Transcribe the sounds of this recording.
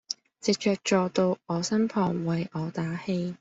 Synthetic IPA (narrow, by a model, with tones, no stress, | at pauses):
t͡sɪ˨k̚t͡ʃœː˨k̚t͡ʃɔː˨t̪o˧wɔː˨˧sɐ˥mpʰɔː˨˩ŋwɐ˨jʔɔː˨˧t̪aː˨˥he˧j